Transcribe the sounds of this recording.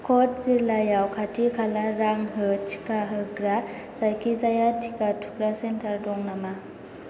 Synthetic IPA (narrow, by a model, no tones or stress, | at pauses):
kʰɔt̚ziɾlajawkʰatʰikʰalaɾaŋɦɯtʰi̥kaɦɯɡɾa | zajkʰizajatʰikatʰukɾasentʰaɾdɔŋnama